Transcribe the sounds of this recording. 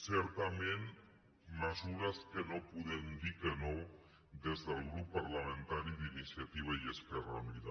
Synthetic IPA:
sɛɾt̪amẽn | məzuɾaskənopuðend̪ikəno | d̪ezðəlˠɣɾupːaɾlamẽnt̪aɾiðinisjat̪iβ̞ajesperaniða

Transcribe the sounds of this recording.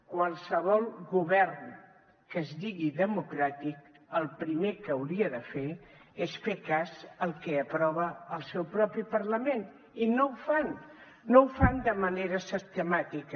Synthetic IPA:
kwalˠsəβ̞ɔlˠɣuβɛrn | kəzðiɣiðəmukɾat̪ik̚ | əlˠpɾimekəːwɾiəðəfeesfekazəlˠkɛəpɾɔβəəlˠsɛwpɾɔpipəɾləmen | inowfanː | owfand̪əməneɾəsist̪əmat̪ik

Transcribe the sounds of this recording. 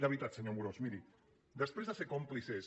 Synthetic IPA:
ɾaβit̪at̪səɲomuɾosmiɾi | d̪əspɾezðəsekomplises

